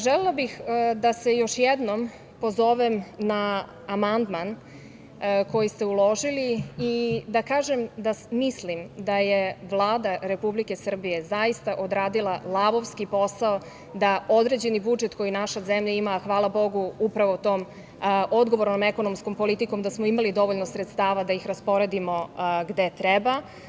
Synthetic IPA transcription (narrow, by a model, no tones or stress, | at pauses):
ʒɛlelˠabixd̪ase̞jo̞ʃjɛd̪nom | pozo̞ʋemnaː | mand̪man | ko̞jist̪e̞ulˠo̞ʒiliː | d̪akaːʒemd̪amislimd̪ajeʋlˠaːd̪aɾe̞publike̞sr̩bije̞zajist̪aʔo̞d̪ɾaːd̪ilalˠaʋo̞ʋskipo̞sao | d̪ao̞d̪ɾe̞ːd͡ʑe̞nibud͡ʒet̪ko̞jinaʃazemʎaimaxʋaːlˠabo̞ɡuupɾaʋo̞t̪oːm | o̞d̪ɡo̞ʋoɾno̞meko̞nomsko̞mpo̞lit̪iko̞md̪asmoimalid̪o̞ʋoʎnosɾet̪st̪aːʋad̪aixɾaspo̞ɾe̞d̪imo̞ɡd̪et̪ɾɛba